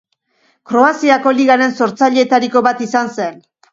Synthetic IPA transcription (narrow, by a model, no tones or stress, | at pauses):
kɾo̞asiako̞liɣaɾe̞nso̞ɾt͡saʎeːt̪aɾiko̞βat̪isanse̞n